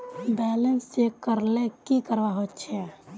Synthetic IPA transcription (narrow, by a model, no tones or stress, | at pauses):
bɛːlənsekəɾlekikəɾʋaɦotːt͡ʃʰɛ